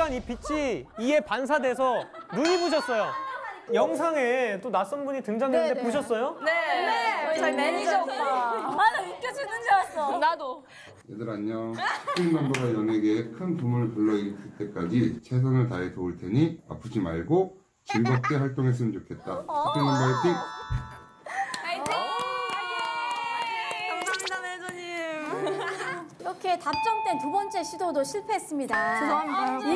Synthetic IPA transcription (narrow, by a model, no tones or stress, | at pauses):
aɲip͈it͡ɕʰiie̞pans̬ʰade̞s̬ʰʌnuɲiboɕʰʌs͈ʌjojʌŋs̬ʰaŋe̞t͈onas͈ʌnbuɲitɯŋd͡ʑaŋdenɯndepoɕʰʌs͈ʌjone | ik͈jʌd͡ʑinɯd͡ʑsnado | jedɯɾaɲːʌi̥p͈inmʌnbaɡajʌneɡeːkʰɯnpumɯɭpɯɭːʌid͡ʑiɭt͈e̞k͈ad͡ʑit͡ɕʰe̞s̬ʰanɯɭtaetoɯɭtʰe̞ɲia̰pʰɯd͡ʑimaɭɡo | t͡ɕimɡʌp̚k͈eɸaɭt͈oŋɦes̬͈ʰɯmɯnt͡ɕokʰe̞t̚t͈asɯk̚k͈iŋnʌmbaetʰik̚ | ʌamidamed͡ʑʌɲim | iɾʌkʰe̞tap̚t͡ɕ͈ʌmt͈we̞ntubʌnt͡ɕ͈e̞ɕʰidodoɕʰiɭpʰe̞ɦːs͈ɯmɲidat͡ɕosao